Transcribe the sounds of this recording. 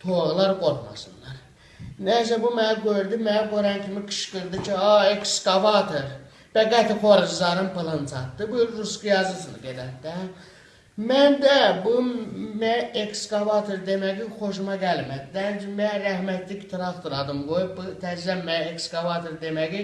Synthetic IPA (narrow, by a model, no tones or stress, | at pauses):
t̪ʰoɣlˠɑɾɡo̞ɾχmɑ̰sɯnlɑɾ | næs̬æbumæɡøɾd̪imæɡøɾɑncʰimikʰɯ̥ʃɡɯɾd̪ɯcʰiɑekskɑvɑt̪ʰoɾ | b̥æɡæt̪ixoɾd͡ʒzɑɾɯnpʰɯlˠɯnt͡sʰɑt̪ːɯbulɾuskɯjɑzɯsɯnɯ̰ɡed̪æt̪d̪æ | mænd̪æbumæekskɑvɑt̪ʰoɾd̪emæɡixoʃ̬umɑɡælmæd̪id̪æd͡ʒimæɾæhmæt̪likt̪ʰiɾɑkt̪ɯɾɑd̪ɯmɡojupbut̪ʰæd͡ʒizænmæekskɑvɑt̪ʰoɾd̪emæɡi